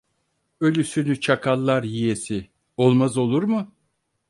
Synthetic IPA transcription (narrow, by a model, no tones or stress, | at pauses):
ø̞lʲysynyt͡ʃʰakʰalˠːaɾjijesɪ | o̞lˠmazo̞lˠuɾmʊ